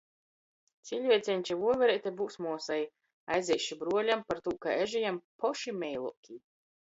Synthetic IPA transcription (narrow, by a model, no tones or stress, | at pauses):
t̪sʲiʎʲvʲiɛt̪sʲɛnʲt͡ʃɛvuɔvʲɛɾɛt̪ʲɛbuwsmuɔsaj | a̰jzʲɛjʃibɾuɔlʲampaɾt̪uːka̰ɛʒijampɔʃimʲɛjlˠṵkʲi